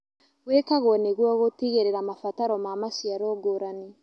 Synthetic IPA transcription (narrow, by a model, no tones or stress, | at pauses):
ɣwekaɣoɔneɣwɔɣotiɣeɾeɾamafataɾɔmamasjaɾɔːɡoɾane